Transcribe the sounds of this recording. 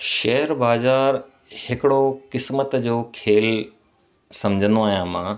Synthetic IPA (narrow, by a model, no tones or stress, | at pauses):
ʃɐɦəɾbaːzaːɾ | hɪkɪɽokɪsmət̪d͡ʑoːkʰeːl | sɐmd͡ʑʱə̃nd̪oaːɦijãmãː